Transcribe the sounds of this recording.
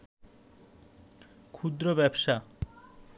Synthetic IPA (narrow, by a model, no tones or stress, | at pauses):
kʰud̪ɾobɛbʃa